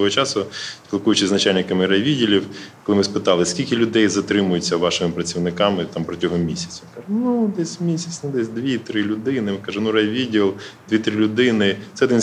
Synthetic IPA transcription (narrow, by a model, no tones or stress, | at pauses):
ɔɔɦɔt͡ʃɑsʊsʲpʲilˠkujʊt͡ʃɪznɐt͡ʃalʲnɪkɐmɪɾɐʋʲidʲilʲiwkɔlˠɪmɪspɪt̪ɑlˠɪskʲilʲkɪlʲʊd̪ɛjzɐt̪ɾɪmʊjʊt͡sʲːɐʋɑʃɪmɪpɾɐt͡sʲiwnɪkɑmɪt̪ɑmpɾɔtʲɔɦɔmʲisʲɐ̥t͡sʲinkɑʒɛnud̪ɛsʲmʲisʲɐt͡ssʲnʊd̪ɛsʲd̪ʋʲit̪ɾɪlʲʊd̪ɪnɪmɪkɑʒɛnuɾɐjʋʲidʲilˠd̪ʋʲit̪ɾɪlʲʊd̪ɪnɪsɛɔd̪ɪn